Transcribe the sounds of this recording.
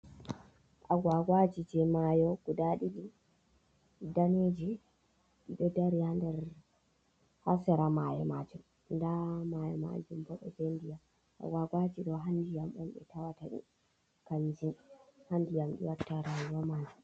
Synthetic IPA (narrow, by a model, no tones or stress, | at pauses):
ʔaɡwaɡwad͡ʒid͡ʒɛmajɔɡ̥udaɗiɗi | daned͡ʒi | ɗiɗɔdaɾihandɛɾ | hasaɾamajɔmad͡ʒum | ndamajɔ̰ma̰nd͡ʒumbɔɗɔd͡ʒɛndija | ʔa̰ɡwaɡwad͡ʒiɗɔɦandijamʔɔmɓɛ̰tawataɗḭ | kand͡ʒinhandijamɗḭwatːaɾajuwamaːd͡ʒu